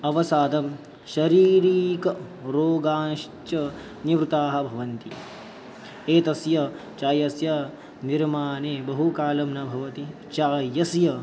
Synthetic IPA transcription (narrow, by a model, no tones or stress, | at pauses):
ɐʋɐsaːd̪ɐm | ʃɐɾiːɾiːkɐ | ɾoːɡaːnʃt͡ʃɐ | niʋɾut̪aːɦɐ̆bʱɐʋɐnt̪i | eːt̪ɐsjɐ | t͡ʃaːjɐsjɐ | niɾmaːneːbɐɦukaːlɐmnɐbʱɐʋɐt̪i | t͡ʃaːjɐsjɐ